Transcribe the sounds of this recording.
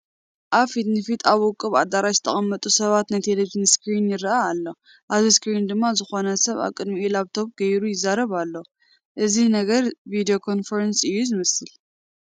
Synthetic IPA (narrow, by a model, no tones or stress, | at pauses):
ʔaβfit̪nɨfit̪ʰaβʊkʼːɨβad̪aɾaʃzɨ̥t̪ʰɐχʼɐmːɐt̪ʼusɐβat̪najt̪ʰeleʒiniskɾinjɪɾɨʔaːlːo̞ | ʔaβziskɾind̪ɨmːazɨxo̞nɐsɐβa̰βkʼɨd̪miʔilaβt̪ʰo̞b̚ɡɐjɾujɪzːaɾɐβalːo | ʔɨzinɐɡɐɾvid̪ijo̞kʰo̞nfɐɾɐnsɨjːuzɨmɐsɨl